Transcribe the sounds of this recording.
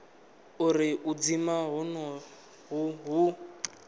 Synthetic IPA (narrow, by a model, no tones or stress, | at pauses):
uɾiʔud͡zimaɦɔnɔ | ɦuɦu